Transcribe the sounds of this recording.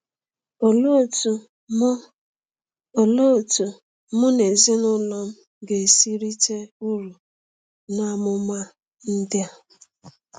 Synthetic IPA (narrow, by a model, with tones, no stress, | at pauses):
o˨lo˦˨tu˨˦˨ | lo˦˨tu˨ | mʊ˦ne˨zɪ˦nʊ˦lɔ˦m̩˦ | ɡe˨si˦ɾi˦te˦u˦ɾu˨ | na˦mʊ˦ma˦ | n̩˦dɪ˦a˦